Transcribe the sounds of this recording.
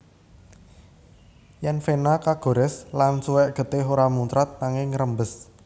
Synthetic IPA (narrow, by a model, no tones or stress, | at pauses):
jɛnfenakaɡ̥o̤ɾɛslansuwɛʔɡ̥ə̤t̪eɦoɾamunt̪ɾat̪̚naŋɪŋɾəmbəs